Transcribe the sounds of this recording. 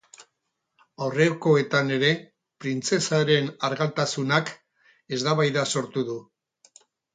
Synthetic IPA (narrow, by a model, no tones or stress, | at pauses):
awreko̞e̞t̪ane̞ɾe̞ | pɾint͡se̞saɾe̞naɾɣalt̪asunak | e̞zd̪aβajðaso̞ɾt̪uðu